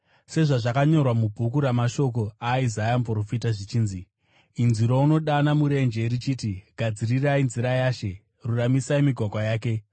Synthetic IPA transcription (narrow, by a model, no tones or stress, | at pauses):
se̞ʐaʐakaɲo̞rwamubʱukuɾamaʃo̞k̬o̞aizajampro̞fitaʐit͡ʃiːnzi | inziɾouno̞ɗanamuɾe̞nd͡ʒe̞rit͡ʃiːtiɡʱad͡zirirainziɾajaːʃe̞ | ruramisaimiɡʱwakwajaːk̬e̞